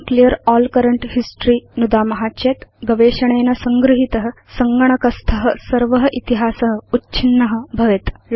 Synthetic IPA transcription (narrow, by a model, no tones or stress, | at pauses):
klijəɾɔːlkɐɾəɳʈhisʈɾiːnud̪aːmɐɦaːtːeːt̪ɡɐʋeːʃɐɳ̃eːnɐsɐŋɡɾuɦit̪ɐɦə̆ | sɐŋɡɐɳ̃ɐkɐst̪ʰɐɦə̆sɐɾʋɐɦɐʔit̪iɦaːsɐɦə̆utːt͡ʃʰinːɐɦə̆bʱɐʋet̪